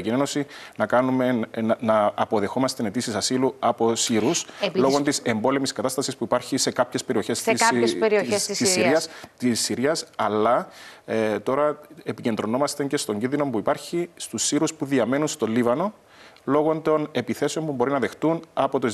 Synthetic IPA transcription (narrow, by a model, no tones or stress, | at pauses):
cineno̞sinɐkɐnume̞nɐːpo̞ðexo̞mɐst̪ene̞t̪isisɐsiluɐpo̞siɾusloɣont̪ise̞mbo̞lemiskɐt̪ɐst̪ɐsispuipɐɾçise̞kɐpçe̞spe̞ɾio̞çe̞stsseɾiosisːiiɐst̪isːiɾiɐsɐlːɐ | t̪o̞ɾɐepice̞nd̪ɾo̞no̞mɐst̪eɲce̞st̪o̞ɲɟinðino̞mpuipɐɾçist̪usːiɾuspuðiɐme̞nunst̪o̞lːivɐno̞ | lo̞ɣo̞nt̪o̞ne̞piθe̞seo̞mpubo̞ɾinɐðe̞xt̪unɐpo̞t̪o